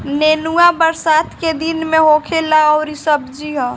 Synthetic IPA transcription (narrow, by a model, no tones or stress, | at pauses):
nenuabəɾsat̪ʰked̪inmeɦokʰelaoɾisəbʱd͡ʒiɦɔ̃